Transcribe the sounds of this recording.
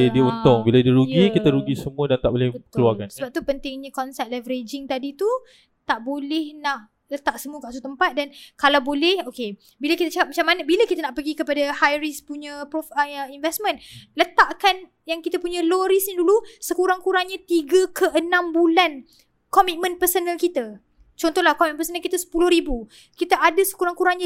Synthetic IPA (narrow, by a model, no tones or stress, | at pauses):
diunt̪ʊŋbiladiəɾuɡikit̪aɾuɡisəmũədant̪aʔbolɪkəluaŋŋansəbap̚t̪upənt̪ɪŋɲãkɔnsɛpt̪̚lavəɾed͡ʒɪŋt̪adit̪u | t̪aʔbolɛhnah | lət̪aʔsəmuəkaʔsut̪əmpat̪̚dankalawbolɛhoke | bilakit̪at͡ʃəkap̚mat͡ʃamanabilakit̪anaʔpəɡikəpadahajɾispuɲãpɔfəəinvɛsmə̃nlət̪aʔkan | jaŋkit̪apuɲãloɾisɲadulusəkuɾaŋkuɾaŋɲãt̪iɡəkʰəʔənãmbulan | kɔmit̪̚mə̃npərsonəlkit̪a | t͡ʃɔnt̪ɔhlahkɔmitpəsonəlkit̪asə̥pulʊhɾibu | kit̪aʔadasə̥kuɾaŋkuɾaŋɲa